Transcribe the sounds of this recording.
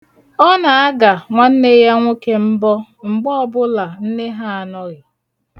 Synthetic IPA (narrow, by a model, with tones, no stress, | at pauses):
ɔ˦na˨a˦ɡa˨ŋʷa˦n̩˦ne˦ja˦ŋʷo˦ke˦m̩˦bɔ˦ŋ͡m̩˨ɡ͡bɔ˦ɔ˦bʊ˦la˨n̩˦ne˦ɦa˦a˨nɔ˦ɣɪ˨